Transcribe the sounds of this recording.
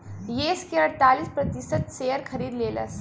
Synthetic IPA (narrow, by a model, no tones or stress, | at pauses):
jeːskeɐɾt̪aːlispɾɐt̪isət̪sejəɾkʰɐɾiːd̪leːlə̰s